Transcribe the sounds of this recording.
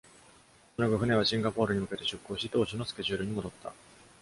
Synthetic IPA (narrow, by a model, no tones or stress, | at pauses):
onaɡɯ̟ɸɯ̟ne̞β̞aɕĩŋɡapo̞ːɾɯ̟ɲ̟imɯ̟ke̞t̪e̞ɕɨkːo̞ːɕit̪o̞ːɕino̞sɨ̥kʲe̞ʑɨːɾɯ̟ɲ̟imo̞d̪o̞t̪ʰːa̰